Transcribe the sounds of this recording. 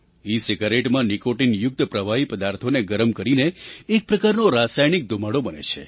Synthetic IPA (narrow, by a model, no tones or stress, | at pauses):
iseɡaɾeʈmãnikoʈinjʊk̚t̪pɾəʋaɦipəd̪aɾt̪ʰoneɡəɾəmkəɾineːk̚pɾəkaɾnoɾasajnik̚d̪ʱumaɽobənḛt͡ʃʰḛ